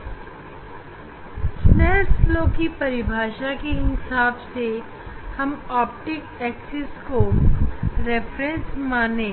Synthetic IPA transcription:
snɛːsloːkipɐɾɪbʱaːʃakeɦɪsaːbse | hɐmaːp̚ʈɪkɛːksɪsko | ɾeːfʰɾẽnsmaːnẽː

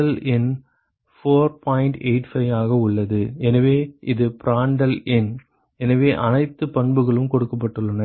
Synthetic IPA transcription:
ɐlɪn | foːɾpʰaːjɪɳʈeɪʈfɐɪʋaːɣɐʊɭːɐðɯɛnɐʋeːʔɪðɯpɪɾaːɳɖɐlɪn | ɛnɐʋeːʔɐnɐɪt̪ːɯpɐɳbɯɣɐɭɯmkɔɽɯkːɐp̬ːɐʈːɯɭːɐnɐ

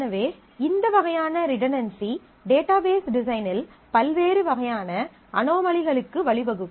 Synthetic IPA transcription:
nɐʋeː | ɪnd̪ɐʋɐɣɐjaːnɐɾɪʈɐnɐnsi | ɖeːʈaːbeːsɖɪs̬ɐɪnɪl | pɐlʋeːɾɯʋɐɣɐjaːnɐ | ɐnoːmɐɭɪɣɐɭɯkːɯʋɐɭɪʋɐɣɯ

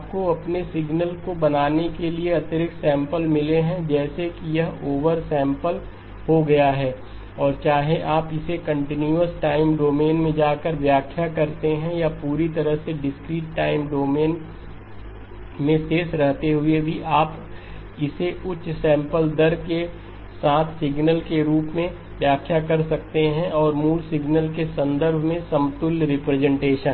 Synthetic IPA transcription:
aːp̚koɐpnesɪɡnəlkobɐnaːnekelieɐt̪əɾɪksɛ̃ːmpəlmɪleɦɛ̃d͡ʒɛːsekijɐɦoːʋəɾsɛ̃ːmpəl | hoɡɐjaɦɛː | ɔːɾt͡ʃaːɦeʔaːpɪsekɐ̃ɳʈɪnjuəsʈaːɪmɖoːmeːnmẽd͡ʒaːkəɾʋjaːkʰjakɐɾt̪eɦɛ̃japuːɾit̪ɐɾəɦseɖɪskɾiːʈːaːɪmɖoːmeːn | mẽseːsɾɐɦt̪eɦʊebʱiʔaːp | ɪseʔʊt͡ʃsɛ̃ːmpəld̪ɐɾke | saːt̪ʰsɪɡnəlkeɾuːpmẽ | ʋjaːkʰːjakɐɾsɐk̚t̪eɦɛ̃ʔɔːɾmuːlsɪɡnəlk̬esɐ̃nd̪əɾbʱmẽsɐmt̪ʊlɾɪpɾɛzɛ̃ɳʈeːʃən

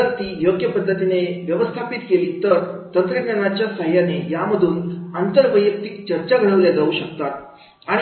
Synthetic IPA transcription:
ət̪iːjoɡjəpəd̪ʱːət̪ineʋjəʋəst̪ʰapit̪keliːt̪əɾt̪ənt̪ɾəknañat͡ɕjasəɦjanejaməd̪ʱuːnant̪əɾʋəjək̚t̪ik̚t͡ɕəɾt͡ɕaɡʱəɭəʋljad͡zauɕəkt̪at̪̚ | aɽ̃

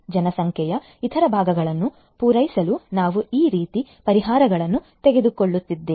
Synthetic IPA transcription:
d͡ʒɐnɐsɐŋkʰjɛjɐ | it̪ʰɐɾɐbʱaːɡɐɡɐɭɐnːu | puːɾɐjsɐlunaːʋuiːɾiːt̪ipɐɾiɦaːɾɐɡɐɭɐnːut̪eɡe̞d̪uko̞ɭːut̪ːid̪ːeː

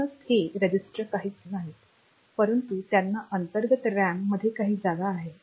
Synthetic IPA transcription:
əsheɾed͡ʑisʈɾəkaɦiːt͡snaɦit̪ | pəɾənt̪ut̪janːaʔənt̪əɾɡət̪ɾæmːəd̪ʱːjekaɦiːd͡zad̪aːɦe

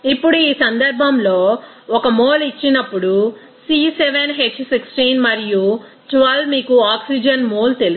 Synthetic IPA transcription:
ipːuɽuiːsɐnd̪ɐɾbʱɐmlo̞ː | ɔkɐmoːlit͡ʃːinɐpːuɽu | siːseʋenɦet͡ʃːsiksʈinmɐɾiju | ʈʋɐlmiːkuaːksid͡ʒɐnmoːlt̪e̞l

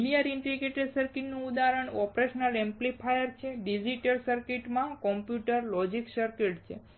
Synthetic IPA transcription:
lijaɾiɳʈɾiɡeʈəɖsəɾkiʈnuud̪aɾəɳɔpɾeʃənəlɛmplipʰajəɾt͡ʃʰeɖid͡ʒiʈəɾsəɾkiʈmãkɔmpjuʈəɾlɔd͡ʒiksəɾkeʈt͡ʃʰḛ

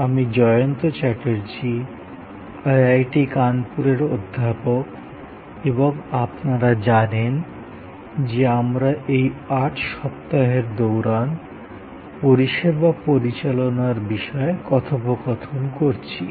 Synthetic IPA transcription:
amid͡ʑɔjont̪ot͡ɕɛʈeɾt͡ɕʰi | ajajʈikanpuɾeɾod̪ʱːapok | eboŋapnaɾad͡ʑanen | d͡ʑeamɾaʔejaʈʃɔp̚t̪aɦeɾd̪owɾan | poɾiʃebapoɾit͡ɕalonaɾbiʃɔekɔt̪ʰobokɔt̪ʰonkoɾt͡ɕʰi

